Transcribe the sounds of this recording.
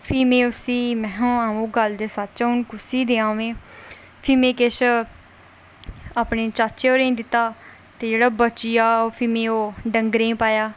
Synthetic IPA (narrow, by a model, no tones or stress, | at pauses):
pʰiːmẽːʊsiːmɛ̃ːɦõːaːũːɡəld̪eːsət̪t͡ʃaʊnkʊsiːd̪eːãːʋẽː | pʰiːmẽːkɪʃ | aːpneːt͡ʃaːt͡ʃeːoːɾẽːd̪ɪt̪ːaː | t̪eːd͡ʒeːɽaːbət͡ʃɪjaːpʰiːmẽːoːɖəŋɡɾẽːpaːjaː